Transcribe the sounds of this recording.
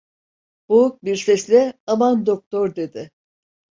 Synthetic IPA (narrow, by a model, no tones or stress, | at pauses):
b̥ouk̚biɾsɛslʲɛamand̪ok̚t̪ʰoɾd̪e̞d̪ɪ